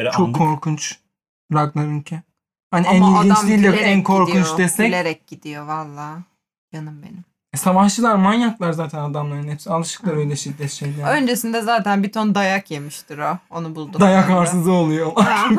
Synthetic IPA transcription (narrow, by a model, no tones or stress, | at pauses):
t͡ʃʰo̞kʰːo̞ɾkʰunt͡ʃ | ɾaklˠaɾyncʰɛn | haniænilɡʲinnt͡ʃʲiːlʲɛænkʰo̞ɾkʰunt͡ʃd̪est̪ɛlʲeɾɛc̚ɟ̥id̪ijovalˠːaː | janɯmbe̞̰nim | ɛsavaht͡ʃɯlˠaɾmanjaklˠaɾzaːt̪ʰɛnad̪amlˠaɾɯnhesalˠɯʃɯ̥klˠaɾø̞jlʲɛʃid̪ːɛt̪ʃejlʲɛø̞nd͡ʒesind̪ɛzaːt̪ʰænbit̪ʰond̪ajakje̞miʃt̪iɾoonubulˠd̪ud̪ajakkaɾɯzɯo̞lˠujoa